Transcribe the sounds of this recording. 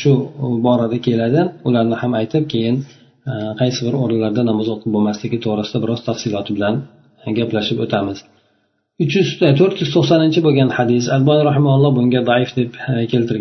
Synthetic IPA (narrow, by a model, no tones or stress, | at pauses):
ʃʊbɒɾad̪akʲʰe̞lad̪ɪʊlaɾnɪhamajt̪ʰɪp̚kʲʰe̞jɪn | qʰɑjsɪbɪɾoɾɪnlaɾd̪anɒmɒzoqʰɨp̚bomaslɪɡʲɪt̪ʰoʁɾɪsɪd̪abɪɾɒz̥t̪ʰafsɪlɒt̪ʰɪbɪlan | ɡʲaplaʃɪpot̪ʰamɪz̥ | ʊt͡ʃjʏzt̪ʰoɾt̪jʊz̥t̪ʰoχsanɪnt͡ʃʰɪboɡʲanħad̪ɪsad̪bɒnɾɑɦɪmahʊlˠːɒbʊŋɡʲad̪ɑɪfd̪e̞pkʲʰelt̪ʰɪɾɡʲ